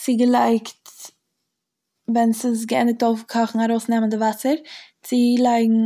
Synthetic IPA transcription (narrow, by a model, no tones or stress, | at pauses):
sɪɡəlˠaɪkt | vɛnsɪs̬ɡəɛndɪk̚toʊfkʰɔχŋ̩aɾoʊsnɛməndɪvasəɾt͡sɪlˠaɪɡŋ̩